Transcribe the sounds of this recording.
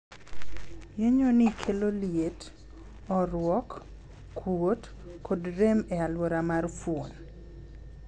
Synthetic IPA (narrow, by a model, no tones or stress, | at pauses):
jeɲonɪkʰeloljet | ɔɾwɔkː | wot | kɔdɾemealwoɾamarfwon